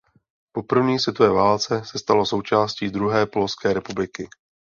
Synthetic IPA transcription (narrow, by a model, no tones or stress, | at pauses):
po̞pr̩vɲiːsvɪt̪ovɛːvaːlt͡sɛsɛst̪alo̞sowt͡ʃaːsciːd̪ɾuɦɛːpolofskɛːɾɛpublɪkɪ